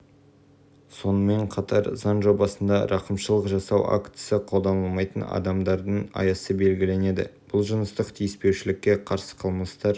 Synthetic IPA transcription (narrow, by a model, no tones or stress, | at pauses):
so̞nəme̞ɴqʰɑt̪ɑɾzɑnʒo̞bɑsənd̪ɑ̰ɾʔɑqəmʃəlˠəqʒɑsɑwa̰kt̪səqʰo̞lˠd̪ɑnəlˠmɑjt̪ənɑ̰d̪ɑmd̪ɑɾd̪əɴɑ̰jɑsəbe̞lɡʲɪle̞ne̞d̪ɪ̰b̥ʊlˠʒənəst̪əqt̪ʰijɪspe̞wʃɪlɪkʲːe̞qʰɑɾsə̥qʰəlˠməst̪ɑɾ